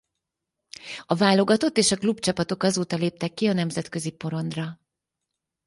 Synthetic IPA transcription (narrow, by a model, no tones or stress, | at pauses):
ɒvaːlo̞ɡɒt̪o̞t̪ːeːʃɒklubt͡ʃɒpɒt̪o̞kɒzoːt̪ɒleːp̚t̪ɛkːiɒnɛmzɛt̪kø̞zipo̞ɾo̞nd̪rɒ